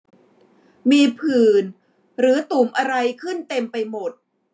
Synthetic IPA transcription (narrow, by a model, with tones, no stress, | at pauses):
miː˧pʰɯː˨˩n | ɾɯː˩˦t̪u˨˩mʔa˧ɾa˧jkʰɯ˥˩nt̪e˧mpa˧jmo˨˩t̪̚